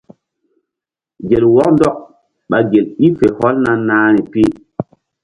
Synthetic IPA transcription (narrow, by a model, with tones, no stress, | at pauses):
ɡe˨lwɔ˦k̚ndɔ˦k̚ | ɓa˨ɡe˨li˦fe˨hɔ˦lna˦nnːaː˦nɛ˨pi˦˨